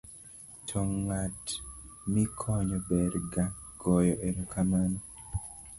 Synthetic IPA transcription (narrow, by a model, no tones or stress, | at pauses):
tʰɔŋatmikʰɔɲɔbɛɾɡaɡ̥ɔjɔʔeɾokʰamanɔ